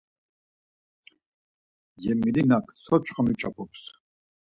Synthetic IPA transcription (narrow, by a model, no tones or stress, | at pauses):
jɛmilinakʰsʰɔt͡ʃʰʼχamit͡ʃʼapʰɔps